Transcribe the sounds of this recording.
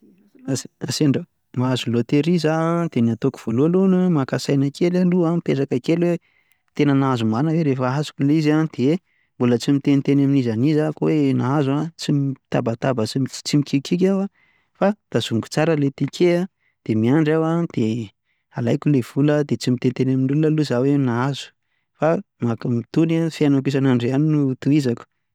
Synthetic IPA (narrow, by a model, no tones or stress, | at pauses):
asaseɳɖ͡ʐa | maazulot̪eɾizad̪̥enat̪oku̥v̥olualonəmakasajnakelaluamipesakakelwe | t̪enənazumanəweɾefaɦasu̥kʲulizad̪̥e | mbulət͡simit̪enit̪enaminizanizakwenaazuat͡simt̪abat̪abat͡si̥t͡simikikʰik̬ʲawa | fad̪̥az̥uŋɡu̥t͡saɾəlet̪ikʰea | d̪̥emiaɳɖ͡ʐawad̪̥e | alajkulev̥uləd̪et͡simit̪enit̪enaminulunəluzawenaazu̥ | famakumit̪unafianak̬us̬anaɳɖ͡ʐeaninut̪uizaku̥